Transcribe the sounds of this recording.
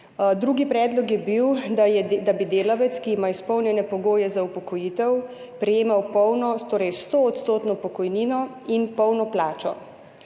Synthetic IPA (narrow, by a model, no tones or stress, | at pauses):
d̪ɾuːɡipɾɛːd̪lɔkjɛbiw̪ɛd̪abid̪eːlaʋɛt̪skiimaispɔwnjɛnɛpɔɡoːjɛzaupɔkɔjiːt̪ɛw | pɾɛjeːmawpɔwnɔt̪oːɾɛjst̪oːt̪st̪oːt̪nɔpɔkɔjniːnɔ | inpɔwnɔplaːt͡ʃɔ